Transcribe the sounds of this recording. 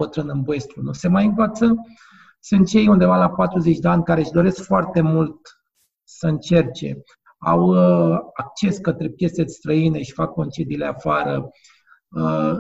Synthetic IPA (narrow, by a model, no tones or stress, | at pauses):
ət̪ɾɨnɨnboest̪ɾunuse̞majɨnvat̪sə | sɨnt̪t͡ʃe̞jund̪e̞valapat̪ɾuze̞t͡ʃʲd̪eanʲkaɾeʃd̪o̞ɾe̞skfoart̪e̞mult̪ | səɨnt͡ʃe̞rt͡ʃe̞̰ | a̰w | ak̚t͡ʃe̞skət̪ɾe̞pje̞sest̪ɾəine̞ʃi̥fakːo̞nt͡ʃe̞d̪ileafaɾə